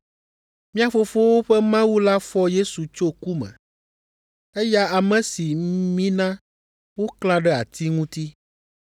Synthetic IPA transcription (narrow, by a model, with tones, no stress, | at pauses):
mĩ˦a˨fo˦fo˦wo˦ɸɛ˦mã˦wu˦la˦fɔ˦je˦su˨t͡ʃo˦ku˦mɛ̰̃˨ | ɛ˦ja˦a˨mɛ̃˨si˨˦mĩ˦nã˦ | wo˦kl̃ã˦ɖɛ˦a̰˨t̪ʰi˦ŋũ˦t̪i˦